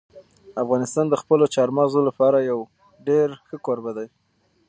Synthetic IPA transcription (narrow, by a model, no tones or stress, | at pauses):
afɣɑnɪst̪ɑnd̪əxpəlot͡ʃɑɾmɑzolapɑɾajaw | ɖeɾxəkoɾbad̪aj